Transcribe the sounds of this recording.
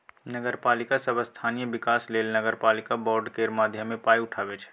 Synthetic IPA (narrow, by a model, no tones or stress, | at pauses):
nəɡəɾpaːlɪkasəbʱəst̪ʰaːnijəbɪkaːsleːlnəɡəɾpaːlɪkabɔːɾɖkeːɾmaːd̪ʱjəmːẽpaːiʊʈʰaːbet͡ʃʰɛ̥